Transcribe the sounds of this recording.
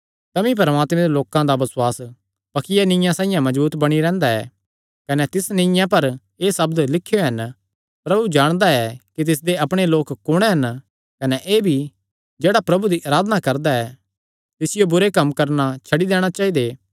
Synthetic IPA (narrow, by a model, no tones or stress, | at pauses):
t̪ɐmĩp̬ɐɾmaːt̪mẽd̪eloːkãd̪abɐswaːs | pɐkɪjanɪ̃jãsãːɪ̃jãmɐd͡ʒbuːt̪bɐɽ̃iɾɛ̃ːnd̪aɛ̰ː | kɐnɛt̪ɪsnɪ̃jãpɐɾ | eːsɐbd̪lɪkʰːjoɦɐn | pɾɐbud͡ʒaːɽ̃d̪aɛkit̪ɪs̬d̪eɐpɽ̃eloːkkːʊɽ̃eɦɐn | kɐnɛʔeːbʱi | d͡ʒeːɽapɾɐbud̪iʔaːɾaːd̪nakɐɾd̪aɛː | t̪ɪsɪjobʊɾekɐmkɐɾnat͡ʃʰɐɽid̪eːɽ̃at͡ʃaːid̪eː